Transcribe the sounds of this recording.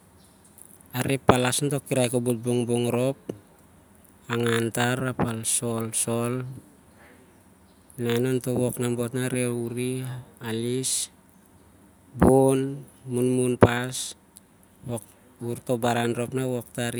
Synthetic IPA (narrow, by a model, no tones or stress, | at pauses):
aɾepːalasnto̞kːiɾajkobut̚buŋbuŋɾo̞p̚ | aŋantaɾapalso̞lso̞l | nanonto̞βo̞knambo̞tnaɾeuɾialis | bonmunmunpas | ok | uɾto̞baɾanɾo̞pnaβo̞k̚taɾ